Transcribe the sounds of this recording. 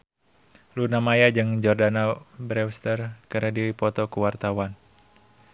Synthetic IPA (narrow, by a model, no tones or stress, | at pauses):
lunamajad͡ʒɨŋd͡ʒɔrdanabɾɛwst̪ərkəɾadiwipɔt̪ɔkuwart̪awan